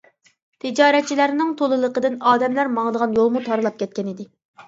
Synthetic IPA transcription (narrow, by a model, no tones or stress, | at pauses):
t̪ʰɪd͡ʒɑːɾɛt̪̚t͡ʃʰːilæɾnɪŋt̪ʰolˠɨlˠəqəd̪ɪnɑːd̪ɛmlæɾmɑŋəd̪əʁɑnjolˠmut̪ʰɑɾɨlˠɑp̚kʲɛt̪̚kʲɛnɪd̪ɪ